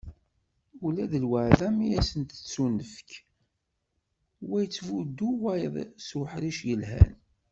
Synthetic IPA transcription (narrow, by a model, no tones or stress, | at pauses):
ulæðəlwəʕðæmijæsənt̪ə̥t͡sːunəfə̥k | wæjət͡sːvud̪ːuwæjðˤsuħɾiʃjəlɦæ̰n